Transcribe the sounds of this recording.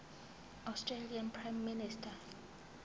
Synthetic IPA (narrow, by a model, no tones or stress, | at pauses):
awstʰʼrelianpʰrajmːinistʰa